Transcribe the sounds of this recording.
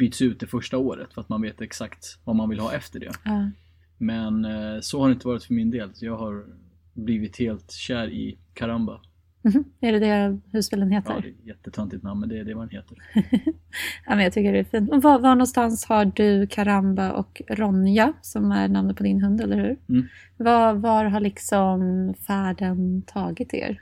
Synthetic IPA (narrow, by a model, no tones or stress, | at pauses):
b̥yːt̪sʉt̪̚d̪ɛfœʂʈaoːɾə̰t̪fœɾat̪manveːt̪ɛksakt̪vamanvɪlɦɑ̰ːʔɛft̪əɖɛ̰ɑː | mɛnsɔhaɾɛɪnt̪əvɑːɾɪt̪fœɾmɪnd̪eːlsɔjɑːɡhaɾ | bliːvɪt̪heːlt̪ɕæːɾɪ̰ | kʰaɾamba̰ | m̩ɦ̩ːæɖɛd̪ɛhʉspɪːlənɦeːt̪ʰə̰ɾjɛt̪ːət̪ʰœnt̪ɪt̪namːəd̪ɛɖɛvad̪ɛnheːt̪əɾ | amɛnjɑt̪ʰʏkːəɖɛæfiːnt̪ɔvavaɳɔnst̪anshaɖɵkʰaɾambaʔɔ̰kɾɔnɪasɔmæ̰ɾɳamnad̪pʰɔd̪ɪnɦɵnd̪ɛlːəɾhʉ̟ɾ | vavaɾɦaɭɪksɔmfæːɖənt̪ʰɑːɡɪt̪ḛːɾ